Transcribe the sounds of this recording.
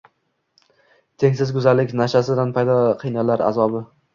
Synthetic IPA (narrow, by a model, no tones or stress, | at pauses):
t̪ʰe̞ŋʲsɪzɡʊzalːɪkʲnaʃasɪd̪anpʰajd̪ɒqʰɨjnalaɾa̰zɒbɪ